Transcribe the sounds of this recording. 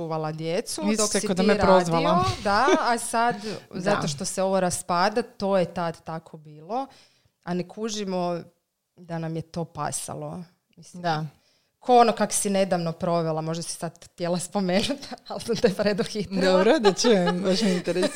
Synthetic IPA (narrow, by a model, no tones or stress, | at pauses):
uʋalˠad̪jet̪suid̪osaikod̪ameɾaɾozʋalˠad̪aasad̪zat̪oʃt̪o̞seo̞ʋoɾaspaːd̪at̪o̞ːjet̪ad̪t̪ːakʰo̞biːlˠo̞ | anekʰuʒimo | d̪anamjet̪o̞ːpa̰sa̰lˠo̞ | mislid̪a | kʰoonokako̥sine̞d̪aʋnopɾo̞ʋelˠamo̞ʒd̪asi̥sad̪t̪jelaspomeːnut̪alˠsamt̪opɾed̪oxit̪ɾd̪obɾod̪at͡ʃebaʃint̪eɾe